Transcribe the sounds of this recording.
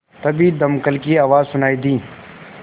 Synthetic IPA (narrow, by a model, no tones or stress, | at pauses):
t̪ɐbid̪ɐmkəlkiaːʋaːzsʊnaːid̪ĩː